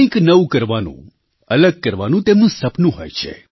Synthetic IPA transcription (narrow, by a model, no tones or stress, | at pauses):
ĩknəʋũkəɾʋanṵ̃ | ələɡ̚kəɾʋanũt̪emnũsəpnũɦojt͡ʃʰḛ